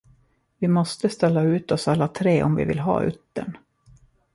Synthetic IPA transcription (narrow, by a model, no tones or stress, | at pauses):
vɪmɔst̪əst̪ɛlːaʉ̟ːt̪ɔsalːat̪ʰɾeːʔɔmvɪ̰vɪ̰lɦɑ̰ːʔʏ̰t̪ːə̰ɳ